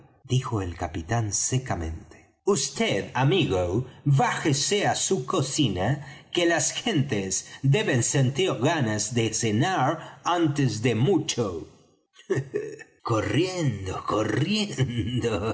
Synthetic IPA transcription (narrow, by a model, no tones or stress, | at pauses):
d̪ixoelkapit̪ansekamẽ̞̰nt̪e̥ | ust̪eðamiɣowβaxeseasukosinakelasxe̞nt̪esd̪eβensent̪iɾɣanazðesenaɾant̪ezðemut͡ʃo | korjend̪okorjend̪o